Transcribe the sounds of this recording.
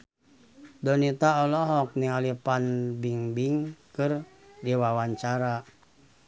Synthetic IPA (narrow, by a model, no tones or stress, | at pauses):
dɔnit̪aɔlɔɦɔk̚nialipanbiŋbiŋkɨr | diwawaɲt͡ʃaɾa